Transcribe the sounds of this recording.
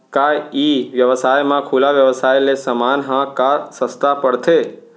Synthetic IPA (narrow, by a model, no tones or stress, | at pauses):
kaiʋjəʋəsaːjmãkʰuːlaʋjəʋsaːjlesəmaːnɦãkasəst̪apəɽt̪ʰe